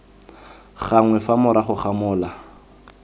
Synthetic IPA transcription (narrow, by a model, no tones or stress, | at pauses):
χaŋwɛfamʊɾaχʊχamʊːla